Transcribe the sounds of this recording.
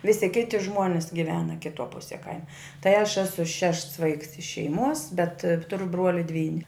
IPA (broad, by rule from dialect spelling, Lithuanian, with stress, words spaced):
ˈʋʲɪsʲɪ ˈkʲɪtʲɪ ˈʒmuɔnʲɪs ɡʲɪˈʋʲæːnɐ kʲɪˈtuɔ ˈpʊsʲiɛ ˈkɐɪmɐ tɐɪ ɐʃ ˈæːsʊ ˈʃʲɛʃts ˈʋɐɪks ɪʃ ʃʲɛɪˈmuɔs bʲɛt ˈtʊrʊ ˈbruɔlʲɪ ˈdʲʋʲiːnʲɪ